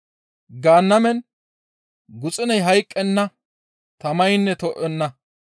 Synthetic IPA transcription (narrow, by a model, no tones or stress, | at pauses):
ɡaːnːɐmɛn | ɡʊt͡sʼɪnɐjɦɐjkʼːɛnːɐ | t̪ɐmɐjnːɛt̪ɔʔɛnːɐ